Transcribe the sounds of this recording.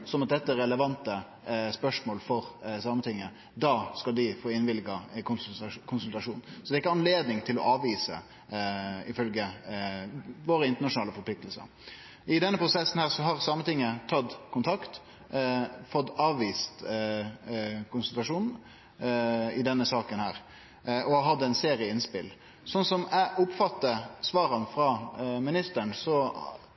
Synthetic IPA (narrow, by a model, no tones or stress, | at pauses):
sɔmɑt̪̚d̪ɛt̪ːəɛɾɛləʋɑnt̪ə | spœʂmoːlfɔɾsɑːmənt̪ʰɪŋːə | d̪ɑːskɑld̪ɪfoːɪnʋɪlɡɑ | kʰʊnsʉlt̪ɑʂuːnsɔd̪ɛɾɪkːəɑnleːd̪nɪŋt̪ʰɪlɔ̰ʔɑːʋiːsə̰ | ɪfœlɡə | ʋoːɾəɪnt̪ənɑʂʊnɑːləfɔɾpʰlɪkt̪əlsə̰ɾ | ɪd̪ɛnːəpʰɾʊsɛsn̩hæːʁsɔɦɑʁsɑːmənt̪ɪŋːət̪ʰɑd̪kʰʊnt̪ʰɑkt̪ | fɔt̪ːɑːʋʋiːst̪ | kʊnsʉlt̪ɾɑʂuːnn̩ | ɪd̪ɛnːəsɑːkənhæːɾ | ɔɑɦɑd̪ːɛnseːɾɪəɪnspɪ̰l | sɔnsɔmæʔʊpfɑt̪ːəsʋɑːɾənfɾɑmɪnɪst̪əɳsɔ